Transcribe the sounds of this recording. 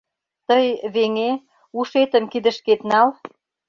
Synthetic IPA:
t̪əjβeŋe | uʃet̪ə̆mkid̪ə̆ʃket̪nɑl

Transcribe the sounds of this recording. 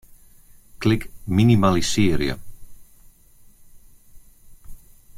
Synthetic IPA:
klɪkminimalisiːɾjə̰

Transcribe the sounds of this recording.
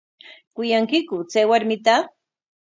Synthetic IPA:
kʊjaŋkɪkʊt͡sajwaɾmɪt̪a

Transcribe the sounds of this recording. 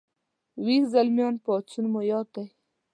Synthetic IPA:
wizalmjoːnpɔt͡sunmojɑːt̪aj

